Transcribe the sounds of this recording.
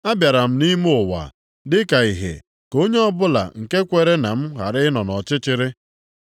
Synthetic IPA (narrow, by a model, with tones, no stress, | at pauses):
a˦bja˨ɾa˨m̩˦ni˦m˦ʊ˨wa̰˨ | dɪ˦ka˨i˨ɦḛ˨ | ko˦ɲe˦ɔ˦bʊ˦la̰˨ŋ̩˨ke˦kʷe˨ɾe˦na˨m̩˦ɣa̰˨ɾɪ˦nɔ˨nɔ˨t͡ʃɪ˦t͡ʃɪ˦ɾɪ˦